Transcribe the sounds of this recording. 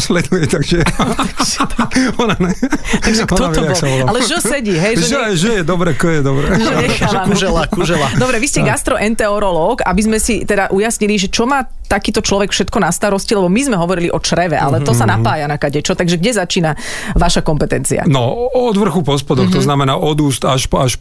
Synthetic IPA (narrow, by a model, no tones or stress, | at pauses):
slɛd̪ujɛt̪aɡʒɛ | t̪ɔnanɛtaɡʒɛkt̪ɔɔbsaʋɔlaalɛʒɔsɛɟiɦɛjʒɛʒɛʒɛjɛd̪ɔbɾɛkt̪ɔjɛd̪ɔbɾɛʒɛɛxaaʒɛlakuʒɛlad̪ɔbɾɛʋiscɛɡast̪ɾɔʔɛnt̪ɛɔɾɔlɔːkabizmɛsit̪ɛd̪aʔujasɲiliʒɛt͡ʃɔmaː | t̪akiːt̪ɔt͡ʃlɔʋɛkfʃɛt̪kɔnast̪aɾɔscilɛbɔmizmɛɦɔʋɔɾiliʔɔt͡ʃɾɛʋɛʔalɛt̪ɔsanapaːjanakaɟɛt͡ʃɔt̪aɡʒɛɡɟɛzat͡ʃiːna | ʋaʃakɔmpɛt̪ɛnt͡sḭa̰nɔɔd̪ʋr̩xupɔspɔd̪ɔxt̪ɔznamɛnaːʔɔd̪uːst̪aʃaʃ